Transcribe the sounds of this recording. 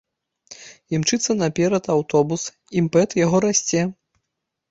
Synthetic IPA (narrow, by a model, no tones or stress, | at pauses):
imt͡ʂɨt̪sːɐnɐpʲɛɾɐt̪awt̪ɔbus | impɛt̪jaɣɔɾasʲt͡sʲɛ